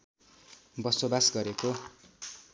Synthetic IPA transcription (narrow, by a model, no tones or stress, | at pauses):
bʌsobasɡʌɾeko